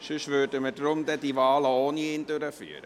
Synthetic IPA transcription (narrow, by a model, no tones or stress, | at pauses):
ʃøʃʋøːtəmədɾʊmd̪ɛd̥iʋɑːləoːniend̪øɾəfy̰ːəɾə